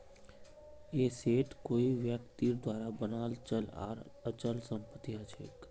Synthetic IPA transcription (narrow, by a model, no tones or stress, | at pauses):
eseʈkoiʋjəkt̪iɾd̪ʋaɾabənalt͡ʃəla̰ɾət͡ʃəlsəmpət̪iɦət͡ʃʰḛk